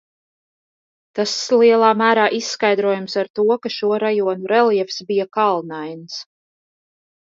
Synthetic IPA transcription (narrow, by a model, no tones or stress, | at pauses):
t̪aslˠiɛlˠɑːmæːɾaːʔisːkajd̪ɾuɔːjamsaɾt̪uɔkaʃuɔɾajuɔnuɾɛljɛfsbijakalˠnajns